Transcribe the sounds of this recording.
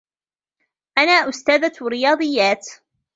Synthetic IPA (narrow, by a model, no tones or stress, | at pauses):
ʔanaːʔʊst̪aːðaɾɪjɑːd̪ˤɨjːaːt̪